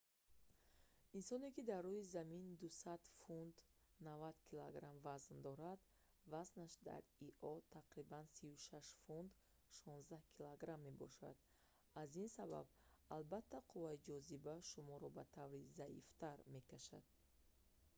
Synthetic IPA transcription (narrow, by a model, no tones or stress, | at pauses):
insɔnekid̪arːuizamind̪usad̪fund̪navad̪kʰilaɡɾamvaznd̪ɔɾad̪ | vaznaʃd̪a̰ɾiʔɔt̪ʰaqɾibansivuʃaʃfund̪ | ʃɔ̃nzd̪ahkʰilaɡɾamːe̞bɔ̰ʃa̰d̪̥ | azinsaba̰b | albat̪ʰːaqʰuvaid͡ʒɔzibaʃumɔɾɔbat̪ʰavɾizaḭft̪ʰaɾme̞kaʃa̰d̪̥̚